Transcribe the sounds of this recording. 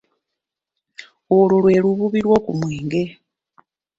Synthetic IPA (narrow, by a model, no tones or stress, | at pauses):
ololwe̞ːluβuβiɾwo̞ːkumweːŋɡe̞